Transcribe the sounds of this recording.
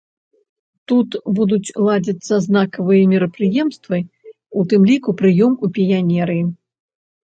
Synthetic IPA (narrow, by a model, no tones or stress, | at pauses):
t̪ut̪bud̪ut͡sʲlˠad͡zʲɐt̪sːɐznakɐvɨjɐmʲiɾɐpɾɨjɛmst̪vɨ | ut̪ɨmlʲikupɾɨjɔmupʲijanʲɛɾɨi